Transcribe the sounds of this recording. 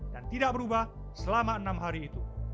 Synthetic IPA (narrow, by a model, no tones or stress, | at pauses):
dant̪idaʔ̚bəɾubah | səlamaənamɦaɾiːt̪u